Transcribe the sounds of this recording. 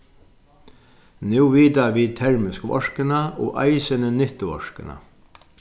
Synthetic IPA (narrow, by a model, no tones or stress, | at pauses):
nɛwʋiːt̪aʋiːt̪ʰɛɹmɪskʋɔ̰ʂkɪnaʔɔ̰ːʔa̰jsɪnənɪht̪ɪʋɔ̰ʂkɪna̰